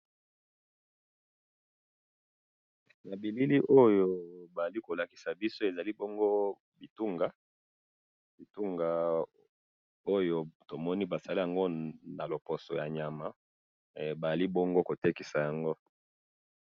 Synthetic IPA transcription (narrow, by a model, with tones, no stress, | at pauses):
na˨bi˨li˦li˦ʔo˦jo˦ba˨a˨li˦ko˨la˨ki̥˨sa˨bi˦so˦e˨za˨li˦bɔ˦ŋɡo˦ | bi˨tu˦ŋɡa˦ | b̥i˨tu˦ŋɡa˨ | o˦jo˨to˨mɔ˦ni˦ba˨za˨li˦ja˨ŋɡo˦na˨lo˨po˨sɔ̰˨ja˨ɲa˨ma˦˨ | ba˨a˨li˦bɔ˦ŋɡo˦ko˨te˦ki˨sa˨ja˨ŋɡo˦